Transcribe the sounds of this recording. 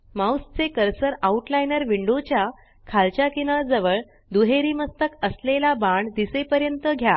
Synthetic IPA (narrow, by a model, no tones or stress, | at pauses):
mawst͡sekəɾsəɾauʈlajnəɾʋiɳɖot͡ɕja | kʰalt͡ɕjakinəɭd͡zəʋəɭ | d̪uɦeɾiːməst̪əkəslelabaɳd̪isepəɾjənt̪əɡʱja